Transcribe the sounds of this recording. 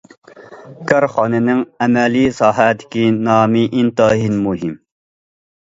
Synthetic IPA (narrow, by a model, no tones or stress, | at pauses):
kʰɑɾχɑnɪnɪŋɛmɛlisɑːɦæt̪ʰɪ̥kʲinɑːmiʔint̪ɑɦinmuɦim